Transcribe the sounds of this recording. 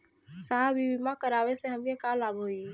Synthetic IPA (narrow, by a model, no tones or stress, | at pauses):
saːɦbibimakəɾaːweseɦɐmkekaːlaːboːi